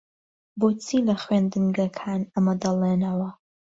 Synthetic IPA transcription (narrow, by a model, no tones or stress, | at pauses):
bot͡sʰiːlɐχwend̪ɨnɡɐkʰaːnɐmɐd̪ɐlˠeːnɐwɐ